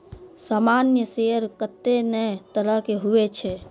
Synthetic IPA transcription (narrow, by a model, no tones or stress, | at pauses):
saːmaːnjəseɾkət̪ːenɛt̪əɾəɦkeɦʊet͡ʃʰe